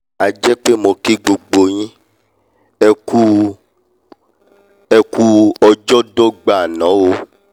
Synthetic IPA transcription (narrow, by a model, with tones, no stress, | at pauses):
a˨d͡ʒɛ˦k͡pe˦mo˧ki˦ɡ͡bo˧ɡ͡bo˧j̃ĩ˦ | ɛ˧ku˦ | ɛ˧ku˦ɔ˧d͡ʒɔ˦do˦ɡ͡ba˦˨nɔ̃˨˦wo˧˦